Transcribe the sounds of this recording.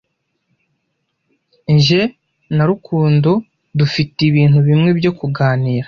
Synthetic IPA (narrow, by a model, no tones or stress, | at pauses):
ɲʒe̞ | naɾukʰuːndo | dufitiβiːn̥huβimŋe̞bjo̞kuɡaːniːɾa